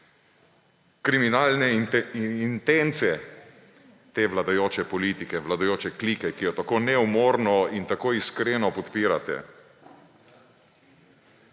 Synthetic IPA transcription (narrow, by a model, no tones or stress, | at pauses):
kɾiminalnɛ | int̪ent̪sijɛ | t̪eːʋlad̪ajoːt͡ʃɛpɔliːt̪ikɛʋlad̪ajoːt͡ʃɛklikɛkijɔt̪akoːnɛumoːɾnɔint̪akoːiskɾeːnɔpɔt̪piːɾat̪ɛ̰